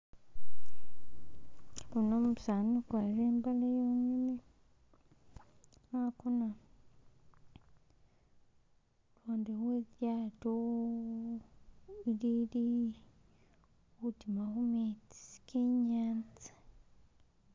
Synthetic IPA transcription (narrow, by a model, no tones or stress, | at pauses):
kunommusanukwaɾeːmbalejoːɲimi | akuna | twoːndeweðjaːto | iɾiɾi | wutimaɣumeti̥skʰeɲaːnt͡sḁ